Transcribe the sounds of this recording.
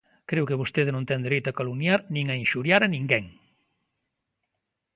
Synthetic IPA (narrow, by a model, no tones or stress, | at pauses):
kɾewkeβost̪eðenõnt̪ɛnd̪eɾejt̪ʊakolunjaɾnĩŋainʃuɾjaɾanĩŋɡɛŋ